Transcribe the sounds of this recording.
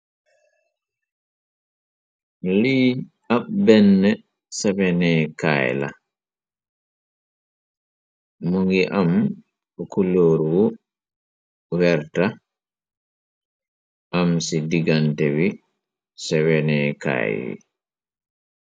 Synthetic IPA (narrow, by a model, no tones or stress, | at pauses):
liː | aɓbɛnːɛ | sɛbɛnɛka̰ːjla̰ | moŋɡiʔam | ɔkuloːɾuwɔ | wɛɾta | ʔamsidiɡantɛwi | sɛwɛnɛːka̰ːjwḭ